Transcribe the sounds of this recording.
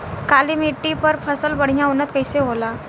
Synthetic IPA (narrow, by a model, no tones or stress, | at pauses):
kaliːmiʈːipəɾpʰəsəlbəɽ̤jaunət̪̚kəjseɦola